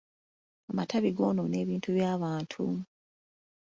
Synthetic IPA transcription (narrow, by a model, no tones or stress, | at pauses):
amatʰaβiɡo̞ːnone̞ːβiːntuβjaːβaːntʰṵ